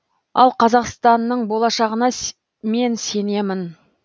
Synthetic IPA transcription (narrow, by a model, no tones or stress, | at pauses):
ɑ̰lˠqʰɑzɑqst̪ɑnːəɴbo̞lˠɑʃɑʁənɑ | me̞nse̞ne̞mɪn